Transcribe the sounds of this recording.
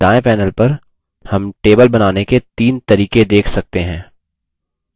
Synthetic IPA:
d̪aːẽpɛːnəlpɐɾ | hɐmʈeːbəlbɐnaːneket̪iːnt̪ɐɾiːked̪eːkʰsɐk̚t̪eɦɛ̃ː

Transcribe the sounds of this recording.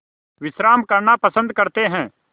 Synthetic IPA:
ʋɪsɾaːmkɐɾɳapɐsə̃nd̪̚kɐɾt̪eɦɛ̃ː

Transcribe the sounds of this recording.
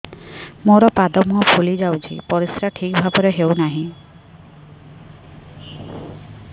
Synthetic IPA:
moɾɔpad̪ɔmuɦɔpʰulid͡ʒawt͡ʃʰḭpɔɾisɾaʈʰikbʱabɔɾeɦewnaɦĩ

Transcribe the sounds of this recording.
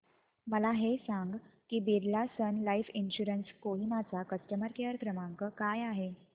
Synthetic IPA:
məlaɦesaŋɡkiːbiɾlasənlaifinɕuɾənskoɦimat͡sakəsʈəməɾkeəɾkɾəmãŋkəkajaɦe

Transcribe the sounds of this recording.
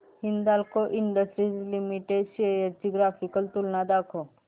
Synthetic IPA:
hind̪aːlkoʔiɳɖəsʈɾizlimiʈeɖsieeɾd͡ʒiɡɾaːfikəlt̪ulnad̪aːkʰo

